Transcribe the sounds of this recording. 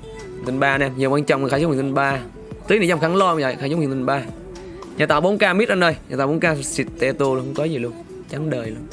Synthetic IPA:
t̪i˧nɓaː˧nɛ˧mɲi˨˩waː˧nt͡ɕɔ̰˨ŋ͡mxaː˧jwt̪nɓaː˧ | t̪ɨː˨˦jni˨˧˨za˧ŋ͡mxa˧˦ŋlɔ˧˨˧a̰˨xaː˧˩jo˧˦ŋ͡mht̪ʰŋɓaː˧ | ɲaː˨˩t̪aː˨˩wɓo˨˦nkaː˧mi˦˥t̚ʔə˧˩nəː˧˩jɲa̰˨˩t̪aː˧˩ɓo˨˦kaː˧si˨˩t̪̚t̪ɛ˧t̪u˧lxə˧wŋ͡mkɔ˨˦zi˨˩lu˧ən | t͡ɕa˨˦ŋɗəː˨˩jlu˧ən

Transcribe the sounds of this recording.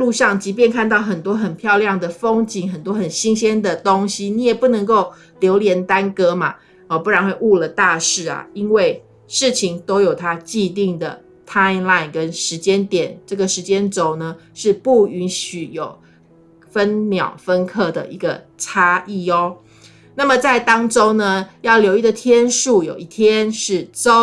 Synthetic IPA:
lu˥˧ʂɑ˥˨˩ŋt͡ɕi˧˥p̬jɛ˥˧nkʰa˥˧nt̪ɑ˥˩ʊxə˨˩nt̪wɔ˥xə˨˩npʰjɑ˥˧ʊljɑ˥˩ŋd̪ə˩fo˥ŋt͡ɕi˧˥ŋxə˨˩nt̪̬wɔ˥xə˨˩nɕi˥ŋɕɛ˥nd̪ə˨t̪o˦˥ŋɕi˦ni˧˥jɛ˨˩pu˥˩nɤ˧˥ŋko˥˩ʊ | ljo˧˥ʊljɛ˧˥nt̪a˥nkɤ˥ma˨ | ɔ˨˩pu˥˩ɻa˧˥nxwe˥˧ɪʔu˥˩lə˩t̪a˥˧ʂɻ̩˥˩ɐ̰˩i˥nwe˥˩ɪ | ʂɻ̩˥˩t͡ɕʰi˧˥ŋt̪o˥ʊjo˨˩ʊt̪ʰa˦˥t͡ɕi˥˧t̪̬i˥˩ŋd̪ə˩ | t̪ʰa˥ɪnla˥˧˩ɪnkə˦˥nʂɻ̩˧˥t͡ɕjɛ˥˦nt̪jɛ˨˩˦nʈ͡ʂɤ˥˩ɡə˩ʂɻ̩˧˥t͡ɕjɛ˥nt͡so˨˩ʊnə˦ʂɻ̩˥˧pu˥˩y˧˥nɕy˨˩jo˨˩ʊ | fə˦nmjɑ˨˩ʊfə˦nkʰɤ˥˩d̪ə̰˩ʔi˧˥ɡə˧ | ʈ͡ʂʰa˥ʔi˥˩ɔ˦ | na˥˩mə˨t͡sa˥˩ɪt̪ɑ˥ŋʈ͡ʂo˥ʊnə˧jɑ˥˩ʊljo˧˥ʊi˥˩d̪ə˨˩t̪ʰjɛ˥nʂu˥˩jo˨˩ʊi˥˩t̪ʰjɛ˦nʂɻ̩˥˩t͡so˥˦

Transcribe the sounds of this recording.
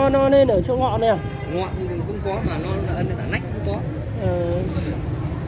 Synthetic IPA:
nɔ˧le˧nʔəː˧˩t͡ɕɔ˧ŋɔ̰˧˨nɛ˨˩˨ | ŋwa̰˧˨mɨ˨˩ŋkʊ̰˧˥wŋ͡mkɔ˨˦maː˨˩nɔ˨˧nəː˧˩ne˧˩nlaː˨˩na̰˧˥jk̟̚kxʊ̰˧˥ŋ͡mkɔ˨˦ | ʔəː˨˩

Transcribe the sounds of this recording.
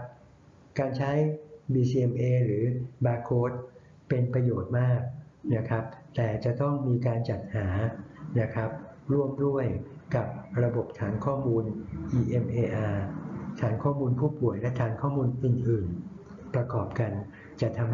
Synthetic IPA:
kaː˧nt͡ɕʰa˦˥jbiː˧siː˧e˧mʔeː˧ɾɯː˩˦baː˧kʰːoː˦˥t̪̚ | pe˧npɾa˧joː˨˩t̪̚maː˥˩k̚na˦˥kʰɾa˦˥p̚t̪ɛː˨˩t͡ɕa˨˩t̪ɔ˥˩ŋmiː˧kaː˧nt͡ɕa˨˩t̪̚haː˩˦na˦˥kʰa˦˥p̚ɾu˥˩əmdu˥˩əjka˨˩p̚ɾa˧bo˨˩p̚t̪ʰaː˩˦nkʰɔː˥˩muː˧nʔiː˧ʔe˧mʔeː˧ʔaː˧t̪ʰaː˩˦nkʰɔː˥˩muː˧npʰuː˥˩pu˨˩əjlɛ˦˥t̪ʰaː˩˦nkʰɔː˥˩muː˧nʔɯː˨˩nʔɯː˨˩n | pɾa˧kɔː˨˩p̚ka˧n | t͡ɕa˨˩t̪ʰa˧m

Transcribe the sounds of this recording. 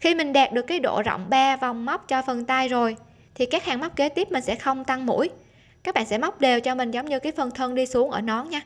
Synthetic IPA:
xi˧mï˨˩ŋ̟ɗaː˨˩p̚ɗɨ˨˩əkːaː˨˦jɗo̰˧˨zə̰˧˨wŋ͡mɓaː˧va˨˩wŋ͡mma˦˥wk͡p̚t͡ɕɔ˧fə˨˩nt̪a˧jzo˨˩j | t̪ʰi˨˩kaː˦˥k̚haː˨˩ŋma˦˥wk͡p̚ke˨˦t̪i˦˥əp̚mï˨˩ŋ̟sɛ̰˧˥xə˧wŋ͡mt̪a˧ŋmṵ˧˥əj | kaː˦˥k̚ɓa̰ː˧˨sɛ̰˧˥ma˦˥wk͡p̚ɗe˨˩wt͡ɕɔ˧mï˨˩ŋ̟zə˨˦wŋ͡mɲɨ˧kaː˨˦jfə˨˩nt̪ʰə˧nɗi˧su˨˦əŋʔəː˧˩nɔ˨˦ɲaː˧

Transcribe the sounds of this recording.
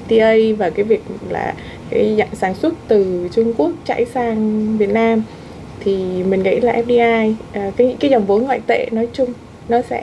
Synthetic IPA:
t̪i˧ʔə˧jvaː˨˩kaː˨˦jvi˨˩ək̚la̰ː˨˩ | kaː˨˦jza̰˧˨saː˨˦nswə˦˥t̚t̪ɨ˨˩t͡ɕʊ˧ŋ͡mku˦˥ək̚t͡ɕa̰ː˧˥˩jsaː˧ŋvi˨˩ət̚naː˧m | t̪ʰi˨˩mï˨˩ŋ̟ɣə̰˧˥jlaː˨˩ʔɛ˦˥p̚ɗi˧ʔaː˧jʔka̰˨˦˧kaː˨˦jzɔ˨˩wŋ͡mvu˨˦nŋɔ̰a̰˧˨jt̪ḛ˧˨nɔ˨˦jt͡ɕʊ˧ŋ͡m | nɔ˨˦sɛ̰˧˥

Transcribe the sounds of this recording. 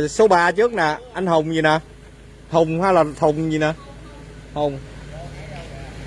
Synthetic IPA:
so˨˦ɓaː˧t͡ɕɨ˦˥ək̚naː˨˩ʔa˧jŋ̟hə˨˩wŋ͡mzi˨˩naː˨˩ | t̪ʰə˨˩wŋ͡mhwaː˧˩laː˨˩t̪ʰə˨˩wŋ͡mzi˨˩naː˨˩ | hə˨˩wŋ͡m

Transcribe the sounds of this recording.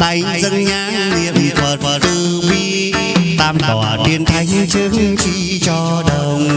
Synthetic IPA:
ɗ̪a˧j | zə˧ŋɲaː˧˥ŋni˧˩əmfʰəː˨˩t̚t̪ɨ˧ɓi˧˥˦ | t̪aː˧mkɔ˨˩ɗi˧ənt̪ʰa˧jŋ̟t͡ɕɨ˧˥ŋt͡ɕi˧˥ | t͡ɕɔ˧ɗə˧˩wŋ͡m

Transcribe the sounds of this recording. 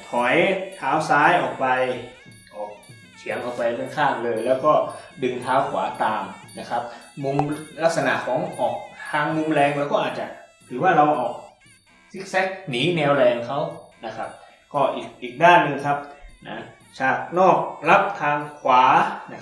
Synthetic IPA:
k̪ʰɔ˩˦jt̪ʰaː˨˦˥wsaː˦˥jʔɔː˨˩k̚pa˧j | ʔɔː˨˩k̚ | t̪ʰi˩˦əŋʔɔː˨˩k̚pa˧jmɯ˥˩əŋkʰaː˥˩m̚lɤː˧jlɛː˦˥wkɔː˥˩dɯ˧ŋt̪ʰaː˦˥wkʰwa̰ː˩˦t̪aː˧mna˦˥kʰa˦˥p̚mu˧mla˦˥k̚sa˧na̰˨˩ʔkʰɔː˨˦ŋʔɔː˨˩k̚t̪ʰaː˧ŋmu˧mlɛː˧ŋwɛː˧wkɔː˥˩ʔːt̪̚t͡ɕa˨˩ | ɾʰɯː˩˦waː˥˩ɾa˧wʔɔː˨˩k̚ | si˦˥k̚sɛ˦˥k̚niː˩˦nɛː˧wlɛː˧ŋkʰa˦˥wna˦˥kʰa˦˥p̚ | kɔː˥˩ʔiː˨˩k̚ʔiː˨˩k̚daː˥˩nːɯ˧ŋkʰa˦˥p̚na̰˦˥ | t͡ɕaː˨˩k̚nɔː˥˩k̚la˦˥p̚t̪ʰaː˧ŋkʰwaː˩˦n˦˥

